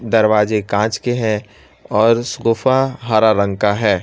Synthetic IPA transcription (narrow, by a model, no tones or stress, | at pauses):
d̪ɐɾʋaːd͡ʒekãːt͡ʃkeɦɛ̃ | ɔːɾsʊɣʊfaɦaːɾaɾə̃ŋɡkaɦɛː